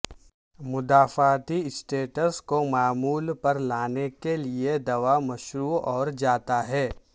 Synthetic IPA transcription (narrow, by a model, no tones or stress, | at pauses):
mʊd̪aːfaːt̪iɪsʈeːʈəskomaːmuːlpɐɾlaːnekelied̪ɐʋamɐʃɾuːɔːɾd͡ʒaːt̪aɦɛː